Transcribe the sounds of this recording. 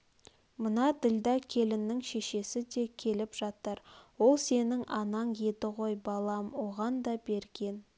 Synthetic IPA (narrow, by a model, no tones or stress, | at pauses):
mənɑd̪ɪld̪ɑkʲʰe̞lɪnnɪŋʃe̞ʃe̞sɪd̪e̞kʲʰe̞lɪpʒ̥ɑt̪əɾwo̞lˠse̞nɪŋɑnɑɴje̞t̪ɪʁojbɑlˠɑmwo̞ʁɑnd̪ɑbe̞ɾɡʲe̞n